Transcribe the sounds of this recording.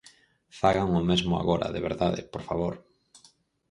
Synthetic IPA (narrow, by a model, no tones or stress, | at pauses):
faɣaŋomezmoa̰ɣoɾa̰ðeβeɾðaðḛpoɾfaβoɾ